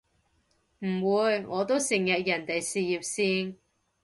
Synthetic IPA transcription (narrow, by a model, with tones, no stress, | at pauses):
m̩˨˩wuː˨˧jŋɔː˨˧t̪o˥wsɪ˨˩ŋjɐ˨t̚jɐ˨˩nt̪e˨jsiː˨jiː˨p̚siː˧n